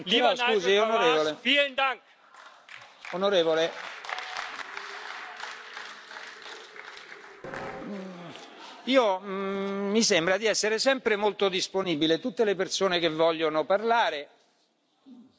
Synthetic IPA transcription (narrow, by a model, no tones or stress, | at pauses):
lisuːzionoɾeːvolefilent̪aŋk | onoɾeːvole | iːoː | isembɾad̪iɛsːeɾesɛmpɾemolt̪od̪isponiːbilet̪ut̪ːelepersoːnekevːɔʎːonoparlaːɾe